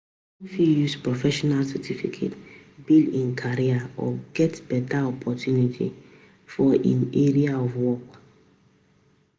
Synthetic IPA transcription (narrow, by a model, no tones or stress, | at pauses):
fijuspɹɔfɛʃɔnalsɛtʰifḭkʰḛtbildĩnkʰaɾiaɔ̰ɡɛtbɛtaɔpʰɔtʰjunitʰḭ | fɔʔḭ̃neɾiaɔvwɔk